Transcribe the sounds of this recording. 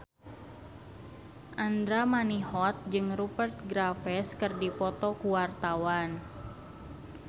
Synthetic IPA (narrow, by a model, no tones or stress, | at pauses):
ʔand̪ɾamaniɦɔt̪̚d͡ʒɨŋrupərt̪̚ɡɾafɛskɨrdipɔt̪ɔkuwart̪awan